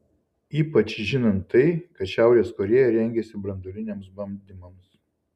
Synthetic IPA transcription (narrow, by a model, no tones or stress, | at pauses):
iːpɐt͡ʃʒʲɪnɐnt̪ːɐɪkɐt̪ʃʲæˑʊɾʲeːskoːɾʲeːjɛɾʲɛŋʲɡʲɛsʲɪbɾɐnd̪ɔlʲɪnʲɛːmsbɐmʲd̪ʲɪmɐms